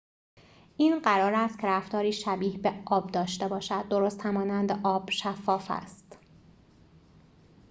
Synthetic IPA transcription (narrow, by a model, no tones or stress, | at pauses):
ʔiːnɢæɾɒːɾæst̪cʰeɾæft̪ɒːɾiːʃæbiːhbeɒːb̚d̪ɒːʃt̪e̞bɒːʃæd̪̚ːo̞ɾoːst̪hæmɒːnænd̪eʔɒːb̥ʃæfːɒːfæ̰st̪